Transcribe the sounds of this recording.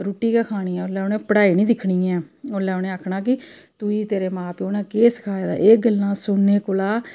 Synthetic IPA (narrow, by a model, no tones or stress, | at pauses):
ɾuːʈiːkakʰaːñiːɛ̃ːʊlɛːʊnẽːpəɽaːiːnĩːd̪ɪkʰɳiːɛ̃ːolɛːʊnẽːaːkʰɳaːk̬ɪt̪uiːt̪eːɾeːmaːpionẽːkeːskʰaːeːd̪a̰ːʔeːɡəlːãːsʊnːeːkolaː